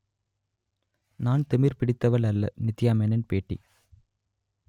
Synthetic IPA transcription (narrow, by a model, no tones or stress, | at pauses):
naːnt̪ɪmɪɾpɪɽɪt̪ːɐʋɐɭɐlːɐ̰nɪt̪ːɪjaːmenɛnpeːʈːḭ